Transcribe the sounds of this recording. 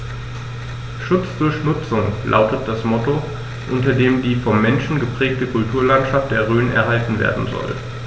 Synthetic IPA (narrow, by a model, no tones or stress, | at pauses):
ʃʊt͡sd̥ʊɐçnʊt͡sʊŋlʔa̰ʊtət̚d̥asmɔto | ʔʊntɐdeːmdiːfɔmːɛnʃn̩ɡəpʁ̥ɛːk̚təkʰʊltʰuːɐlantʃaft̚d̥eːɐʁøːnɛ̰ɐɦaltn̩vḛːɐdn̩zɔ̰l